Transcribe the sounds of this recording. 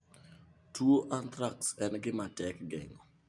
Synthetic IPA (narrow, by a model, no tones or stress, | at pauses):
tʰuoʔant̪ɾaksɛnɡɪmatɛkɡɛ̰ŋɔ